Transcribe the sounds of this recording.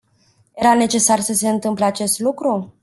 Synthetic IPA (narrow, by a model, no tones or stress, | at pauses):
je̞ɾane̞t͡ʃe̞sarsəse̞ɨnt̪ɨmpleat͡ʃe̞st̪lukɾu